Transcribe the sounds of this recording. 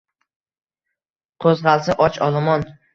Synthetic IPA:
qʰozʁɑlˠsɪʔɒt͡ʃɒlˠɪmɒn

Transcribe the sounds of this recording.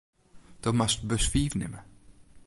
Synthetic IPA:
d̥ɔmastbəsfiːvnɪ̰mə

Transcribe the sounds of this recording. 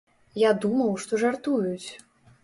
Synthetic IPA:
jad̪umɐwʂt̪ɔʐart̪ujut͡sʲ

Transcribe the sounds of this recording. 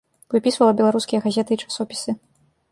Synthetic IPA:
vɨpʲisvɐlˠɐbʲɛlˠaɾuskʲijɐɣazʲɛt̪ɨːt͡ʂḁsɔpʲi̥sɨ

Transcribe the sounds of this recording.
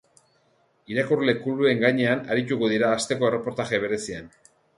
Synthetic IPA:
iɾakurle̞kulue̞ŋɡajɲe̞anaɾit̪̬uɣo̞ðiɾaːst̪e̞ko̞e̞re̞po̞ɾt̪aɣe̞β̞e̞ɾe̞sian

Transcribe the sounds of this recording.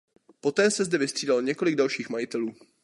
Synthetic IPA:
po̞t̪ɛːsɛzdɛvɪst̪r̥iːdalɲɛko̞lɪɡ̚dalʃiːxmajɪt̪ɛluː

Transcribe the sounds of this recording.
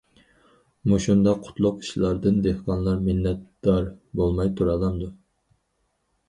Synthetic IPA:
muʃund̪ɑqʰːʊ̥t̪ʰlˠʊqi̥ʃilˠɑɾd̪ɨnd̪ehqɑnlˠɑɾminːɛt̪d̪̥ɑɾbolˠmɑjt̪ʰuɾɑlˠɑmd̪u

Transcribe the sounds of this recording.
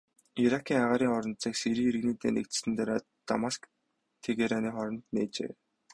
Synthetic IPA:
iɾakʰiːŋaʁaːɾiːŋɔɾɞ̆nt͡siːksiɾiːeɾɘ̆ɣniːt̪ḛːnḛkt̪̆sɘ̆nt̪ʰaɾaː | t̪a̰mask | t̪ʰeɣeɾaniːχɔɾɞ̆nt̪neːt͡ɕḛː

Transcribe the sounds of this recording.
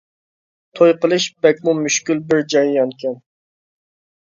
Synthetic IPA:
t̪ʰojqəlˠɨʃbɛk̚ʲmumyʃkʲylbɪɾd͡ʒɑjjɑnkʲʰɛn

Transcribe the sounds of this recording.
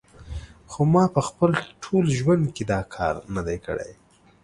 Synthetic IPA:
xomɑpəxpəlʈʰolʒwand̪ked̪ɑkʰɑ̰ɾnad̪ajkə̰ɽa̰j

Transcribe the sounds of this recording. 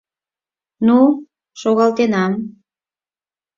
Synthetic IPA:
nu | ʃoɣɑlt̪enɑm

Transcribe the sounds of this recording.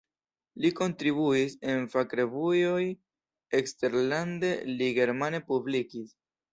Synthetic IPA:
liko̞ntɾibuise̞nfakɾe̞vujo̞j | ekste̞ɾlande̞liɡe̞ɾmane̞publikis

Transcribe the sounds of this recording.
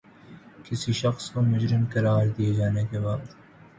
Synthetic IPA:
kɪsiʃɐxskomʊd͡ʒɾɪmkɐɾaːɾd̪ijed͡ʒaːnekebaːd̪

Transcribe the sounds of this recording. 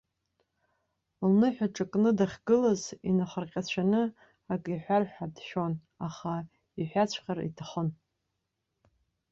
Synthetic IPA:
lnɨħʷᶣaʈ͡ʂʼakʼnɨdaχʲɡɨlazinaχərqʲʼat͡ɕʷʰanɨ | akʼiħʷᶣarħadʃon | aχa | iħʷᶣat͡ɕʷʰqʲarḭtʰaχən

